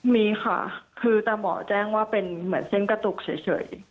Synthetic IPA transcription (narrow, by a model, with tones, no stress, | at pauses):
miː˧xʰa̰˥˩kʰɯː˧t̪aː˧˩mɔ̰ː˩˦t͡ɕɛː˥˩ŋwaː˥˩pe˧nmɯ˩˦ənse˥˩nka˧t̪u˨˩k̚t͡ɕʰa˩˦jt͡ɕʰɤ̰˩˦j